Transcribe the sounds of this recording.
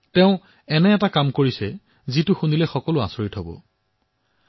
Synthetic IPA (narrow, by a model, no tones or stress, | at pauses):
tɛʊ̃ | ɛnɛːtakamkoɹisɛ | zitʊxunilɛxɔkɔlʊa̰sɔɹitɦɔbɔ̰